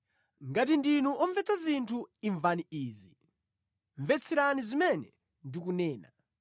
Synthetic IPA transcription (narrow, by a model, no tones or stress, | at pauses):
ŋɡatindinuʔɔɱvɛt͡sʰazintʰuiɱvaniiːzi | ɱvɛt͡sʰiɾanizimɛnɛ | ndik̬unɛːna̰